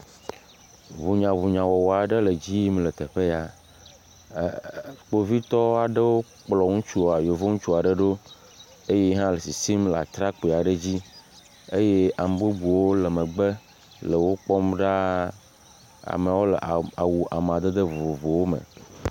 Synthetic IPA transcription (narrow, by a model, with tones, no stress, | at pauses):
vu˨ɲã˨vu˨ɲã˨wɔ˨wɔ˨a˨ɖə˦lə˨d͡ʑi˦mlə˨t̪e˨ɸe˦ja˨ | k͡po˦vi˦t̪ɔ˦a˨ɖə˦wo˦ | k͡plɔ˨ŋũ˦t͡ʃu˦˨a˨jo˨vo˦ŋũ˦t͡ʃu˦a˨ɖə˦ɖo˦ | e˦je˦ɦã˦le˨si˨si˦mla̰˨t̪ɾa˦k͡pe˨a˨ɖə˦d͡ʑi˦ | e˦je˦a˨m˨bu˦bu˨wo˦lə˨mẽ˨ɡ͡be˦ | lə˨wo˦k͡pɔ˦mɖa˦ | a̰˨me˨wo˦lə̰˨ʔa˨wu˨ʔa˨m˨ã˨d̪e˦d̪ə˦vo˨vo˨vo˨wo˦mə̰̃˨